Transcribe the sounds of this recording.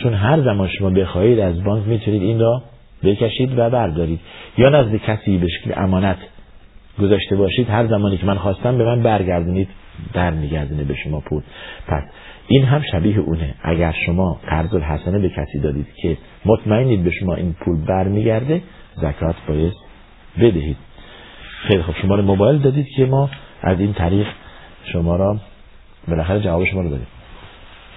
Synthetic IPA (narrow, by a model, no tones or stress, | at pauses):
t͡ʃʰonɦæɾzæmɒːnʃomɒːbe̞xɒːiːd̪æzbɒːŋkmiːt̪ʰuniːd̪inrɔ | bekʰæʃiːd̪væbæɾd̪ɒːɾiːd̪̥jɒːnæzlecʰæsiːbe̞ʃekʰlḛʔæmɒːnæt̪ʰ | ɡozɒːʃt̪e̞bɒːʃiːd̪hæɾzæmɒːniːcʰemænxɒːst̪æmbemænbæɾɟæɾd̪uniːd̪ | b̥æɾmiːɟæɾd̪uːnebe̞ʃomɒːpʰuːlpʰæ̰s | ʔiːnɦæmʃæbiːɦeʔuːneʔæ̰ɟæɾʃomɒːqæɾzolɦæsænebecʰæsiːd̪ɒːd̪iːd̪̥cʰe | mot̪ʰmæenːiːd̪̚be̞ʃomɒːʔiːnpʰuːlbæɾmiːɟæɾd̪e | zækʰɒːt̪ʰbɒːjest̪ | be̞d̪æhiːd̪̥̚ | xejlixob̥ʃomɒːɾimobɒːjeld̪ɒːd̪iːd̪̥cʰe̞mɒːʔæ̰ziːnt̪ʰæɾiːɣ | ʃomɒːɾɒː | be̞læxæɾed͡ʒævɒːbeʃomɒːɾɔd̪ɒːd̪ḭːm